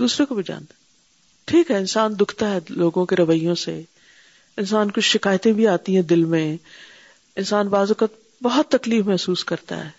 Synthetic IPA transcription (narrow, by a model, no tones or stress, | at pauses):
d̪uːsɾõkobʱid͡ʒa̰ːn | ʈʰiːkɦɛɪnsaːnd̪ʊkʰt̪aɦɛloːɡõkeɾɐʋəijõsḛ | ɪnsaːnkʊt͡ʃʰʃɪkaːjt̪ẽbʱiaːt̪iɦɛ̃d̪ɪlmẽ | ɪnsaːnbaːzʊkət̪̚ | bɐɦɔt̪ːɐkliːfmɛɦsuːskɐɾt̪a̰ɦɛ̰ː